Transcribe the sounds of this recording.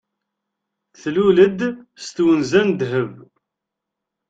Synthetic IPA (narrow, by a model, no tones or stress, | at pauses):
θluləd̪st̪wənzænd̪ɦəv